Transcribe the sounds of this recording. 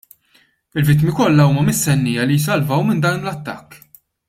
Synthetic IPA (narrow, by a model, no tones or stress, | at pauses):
ɪlvɪt̪ːmikɔlːɐuːmɐmɪst̪ɛnːɪjɐlijs̬ɐlvɐwmɪnd̪ɐːnlɐt̪ːɐkː